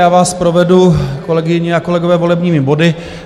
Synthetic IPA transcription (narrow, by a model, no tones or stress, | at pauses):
jaːvaːspɾo̞vɛduko̞lɛɡɪɲɪako̞lɛɡovɛːvo̞lɛbɲiːmɪbo̞dɪ